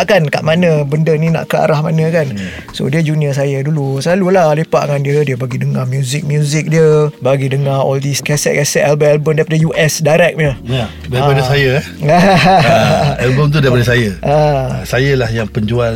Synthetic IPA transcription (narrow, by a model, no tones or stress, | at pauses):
ʔkanka̰ʔmanəbəndəninã̰ʔkəa̰ɾahmanə̃kan | so̰diəd͡ʒuniəs̬ajədulusəlalulalepa̰ʔŋandiədiəbaɡidəŋamjuzɪk̚mjuzɪk̚diəbaɡidəŋaɔ̰ldiskɛsɛ̰ʔ̚kɛsɛt̪̚ɛlbəmɛlbəmdaipadəjuʔɛsdaɾɛk̚ɲə | daiapadəsajə | a | ɛlbəmt̪̬udaipadəsajəʔasajəlahjaŋpəɲd͡ʒual